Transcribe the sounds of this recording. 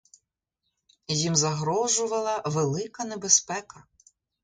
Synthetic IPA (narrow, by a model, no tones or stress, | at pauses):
jimzɐɦɾɔʒʊʋɐlˠɐʋelˠɪkɐnebespɛkɐ